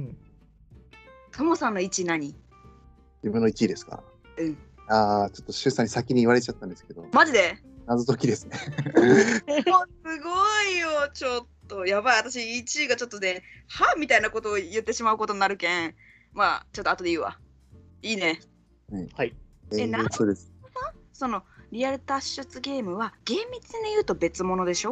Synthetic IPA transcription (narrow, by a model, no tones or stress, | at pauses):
ɯ̟̃ | t̪ʰomo̞sãnːo̞it͡ɕinaɲ̟i | d͡ʑibɯ̟nːo̞it͡ɕid̪e̞sɨ̥ka̰ɾa̰ | ɯ̟̃ɴ̃ | aːt͡ɕo̞t̪ːo̞ɕɨːsãɲ̟isakʲiɲ̟iːβaɾe̞t͡ɕat̪ːãnd̪esɨ̥ke̞d̪o̞maʑid̪e̞ | nazɨt̪o̞kʲid̪e̞sɨne | osɨɡoijot͡ɕo̞t̪ːo̞jabaiat̪aɕ̬iːt͡ɕiɡat͡ɕo̞t̪ːone̞hamʲit̪ainako̞t̪o̞ːjɯ̟t̪ːe̞ɕimaɯ̟ko̞t̪oniaɾɯ̟kẽ̞ | mat͡ɕo̞t̪ːoat̪o̞d̪e̞iːβa̰ | iːne̞ | haihaienasoːd̪esɨ̥saso̞no̞ɾʲijaɾɯ̟t̪aɕːɨt͡sɨɡe̞ːmɯ̟βaɡ̥ẽ̞mːʲit͡sɨɲ̟ijɯ̟ːt̪o̞be̞t͡sɨmo̞no̞d̪e̞ɕo̞